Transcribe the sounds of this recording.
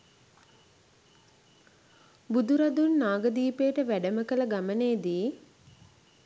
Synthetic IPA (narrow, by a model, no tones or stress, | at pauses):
bud̪uɾad̪unːaːɡəd̪iːpeːʈəʋæɖəməkələɡaməneːd̪iː